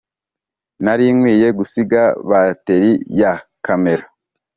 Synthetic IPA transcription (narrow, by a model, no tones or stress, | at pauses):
naɾiːŋwiːje̞ɡusiɡaβate̞ɾijakame̞ɾa